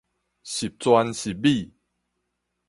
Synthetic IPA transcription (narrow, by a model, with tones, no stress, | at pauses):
ɕi˨˩p̚t͡swa˧nɕi˨˩p̚bi˥˨